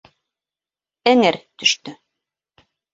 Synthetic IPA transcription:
ænæɾt̪ɵ̆ʃt̪ɵ

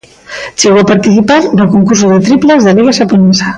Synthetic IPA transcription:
t͡ʃeβapaɾt̪iθipaɾnəlkoŋkursuðet̪ɾiplezðəliɣaʒapunɛza

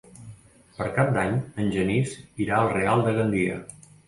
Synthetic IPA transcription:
pəɾkap̚d̪aɲənʲʒəniziɾaəlˠrealˠd̪əɣənd̪iə̰

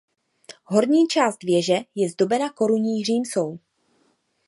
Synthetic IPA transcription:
ɦo̞ɾɲiːt͡ʃaːst̪vjɛʒɛjɛzdo̞bɛnako̞ɾuɲiːr̝iːmso̞w

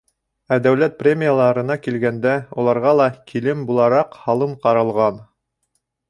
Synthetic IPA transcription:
æd̪æwlæt̪̚prʲemʲijalˠɑɾɤ̆nɑkilɡænd̪æulˠɑɾʁɑlˠɑkʰilɘmbulˠɑɾɑqhɑlˠɤmqɑɾɤ̆lˠʁɑn

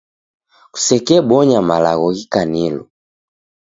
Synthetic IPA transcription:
ku̥sɛkɛbɔɲamalaɣɔɣikanilɔ

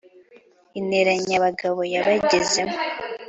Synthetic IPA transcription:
ineɾaɲaβaɡaβo̞jaβaɟezemo

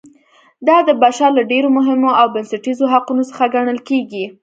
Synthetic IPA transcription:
d̪ɑd̪əbaʃɑlaɖeɾomʊɦɪmoawbansaʈizoɦaqunosə̥xaɡaɳəlkeɡi

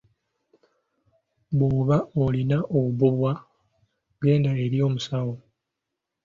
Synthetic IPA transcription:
βwoːβaolinaʔoβuβwa | ɡe̞ːndae̞ɾjo̞ːmusawo

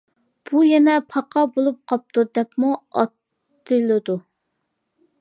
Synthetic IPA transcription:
b̥ujɛnɛpʰɑqʰɑbolˠup̚qʰɑp̚t̪ud̪ɛpmuɑt̪ː | ɨlˠɨd̪u

